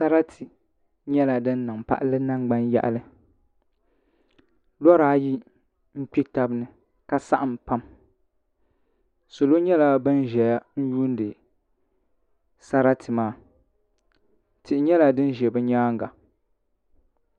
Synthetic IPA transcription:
sa˦ɾa˦tʰi˨ | ɲɛ˦la˨dɨ˦nː˦ɨ˨ŋpa̰˦ʔa˦lɨ˦na˦ŋɡ͡ba˦nja̰˦ʔa̰˨lɨ˦ | lɔ˦ɾaː˦ji˦ | ŋ̩˦k͡pi˦ta˦bnɨ˨ | ka˦sa˦ʔa˨m˨pa˦m | so˨lo˦ɲɛ˦la˦bɨ˦nʒɛ˨ja˦n̩˦juː˦n˦dɨ˨ | sa˦ɾa˦tʰɨ˨maː˦˨ | tɪ˨ʔɪ˨ɲɛ˦la˨dɨ˦n˦ʒɛ˨bɨ˦ɲaː˦ŋɡa˨

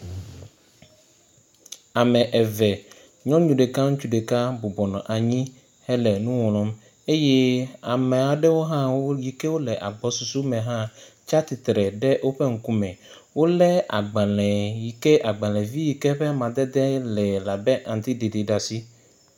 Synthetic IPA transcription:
a˨mɛ̃˨ʔɛ˨vɛ˨ | ɲɔ̃˦ɲũ˨ɖe˨ka˦ŋu˦t͡ʃu˦ɖe˨ka˦bo˨bɔ˨nɔ̃˨ʔa˨ɲĩ˦ | hɛ˦lɛ˨nũ˦wɔ̃˨lɔ̃˦m | e˦jɛ˦a˨mɛ̃˨a˨ɖɛ˦wo˦ɦã˦wo˦ji˨ke˦wo˦lɛ˨ʔa˨ɡ͡bɔ˨˦su˨su˦mɛ̃˨ɦã˦t͡ʃa˦t̪i˨t̪ɾɛ˨ɖɛ˦ʔwo˦ɸɛ˦ŋ̩˨ku˦mɛ̃˨ | wo˦lɛ˦a˨ɡ͡ba˨lɛ̃˨ji˨kɛ˦ʔa˨ɡ͡bã˨lɛ̃˨vi˦ji˨kɛ˦ɸɛ˦a˦mã˨d̪ɛ˦d̪ɛ˦lɛ˨la˨bɛ˦ʔã˨n˨t̪i˦de˨de˨ɖa˨si˦

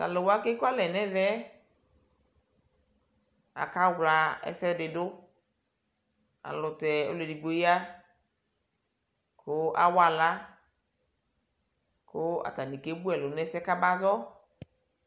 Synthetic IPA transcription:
ta̰˨lo˨wa˦ke˦ku˦a˦lɛ˨nɛ˦vɛ˦ | a̰˨ka˦wla˨ɛ̰˨sɛ˦dɪ˨dʊ˦ | a̰˨lʊ˨tɛ˨o̰˦le˨di˨ɡ͡bo˨ji˦a˦ | kʰʊ˦ʔa̰˨wa˨la˦ | kʊ˦a̰˨ta˨ni˨ke˦bu˦ɛ˨lʊ˨nɛ˦sɛ˦ka˦ba˦zɔ˦

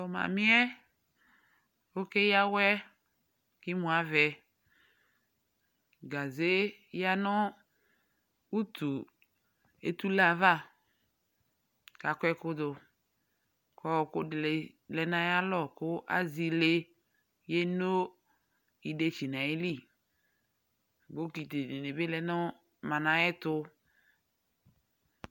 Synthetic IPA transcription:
tɔ˨ma̰˨mi˦ɛ˦ | o˦ke˦ja˦wɛ˦ | kɪ˦mũ˨a˨˦vɛ˨ | ɡa˨ze˦ja˦nɔ˦ | u˦t̪ʰu˨ | e˦t̪u˦la˨va˦˨ | ka˨kʷɛ˦kʊ˦d̪ʊ˨ | kʰɔ˦˨kʊ˦˨ | lɛ˨nã˨ja˦lɔ˦˨kʊ˦ʔa̰˦zi˦le˦ | je˦no˦ | i˨de˦t͡ʃi˨nã˨ɪ˦li˦ | bo˦ki˨te˨ne˨ne˨bɪ˦lɛ˨nɔ˦ | mã˨nã˨ɛ˦t̪ʊ˦

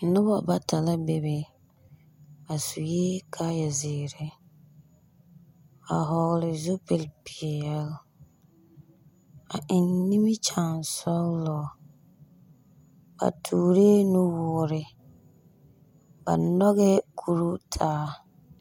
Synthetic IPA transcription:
nʊ˦bɔ˨ba˨tʰa˨la˦be˨be˨ | ba˨su˨jeː˦kʰa˦ja˨zɪː˨ɾɛ˦ | a˨ɦɔ˨ɣlɪ˨zu˦pɪ˨lpʰi˨ɛ˨jɛ˦l | a˨ɪ˨nːi˦mi˦t͡ʃa˨nsɔ˦lɔ˨ | ba̰˨tʰuː˨ɾe˦nʊ˦wʊː˨˦ɾɪ˨ | ba̰˨nɔ˦ɣɛ˦kʰu˨ɾu˦tʰaː˦

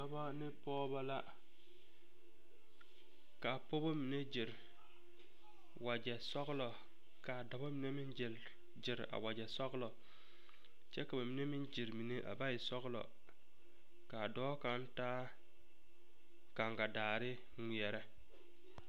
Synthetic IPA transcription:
a˦ba˦nɪ˦pɔː˦ba˦la˦ | ka˨po˦bo˦mi˨ne˦d͡ʒɪ˨ɾ | wa˨d͡ʒɛ˨sɔ˦ɣlɔ˨ | ka˨da˨bo˦mi˨ne˦mɪ˦nd͡ʒɪ˨l | d͡ʒɪ˨ɾa̰˨wa˨d͡ʒɛ˨sɔ˦ɣlɔ˨ | t͡ʃɛ˦ka˨ba˨mi˨ne˦mɪ˦nd͡ʒi˨ɾmi˨ne˦ʔa̰˨ba˦jɪ˨sɔ˦ɣlɔ̰˨ | ka˨dɔː˦ka˦n˦taː˦ | ka˨ŋɡa˨daː˨ɾɪ˦ | ŋʷi˨ɛ˨ɾɛ˦

